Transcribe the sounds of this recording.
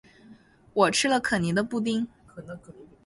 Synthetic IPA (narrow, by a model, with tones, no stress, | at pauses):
wɔ˨˩ʈ͡ʂʰɻ̩˥lə˨kʰɤ˨˩ni˧˥d̪ə˧pu˥˧t̪̬i˥ŋ | kʰɤ˨˩n˧˥˨